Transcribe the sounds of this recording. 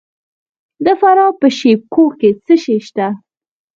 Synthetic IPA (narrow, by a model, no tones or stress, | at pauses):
d̪əfaɾɑpəʃep̚koket͡səʃeʃt̪a